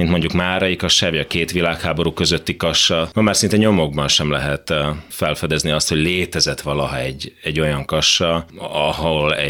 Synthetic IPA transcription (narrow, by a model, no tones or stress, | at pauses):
int̪mo̞ɲɟukmaːɾɒjikɒʃaːviɒkeːt̪ʋilaːkhaːbo̞ɾukø̞zø̞t̪ːikɒʃːɒmɒmaːrsint̪ɛɲo̞mo̞ɡ̚bɒnʃɛmlɛɦɛt̪fɛlfɛd̪ɛzniɒst̪ho̞ɟleːt̪ɛzɛt̪ʋɒlɒɦɒɛɟːɛɟːo̞jɒŋkɒʃːɒɒɦolɛ̰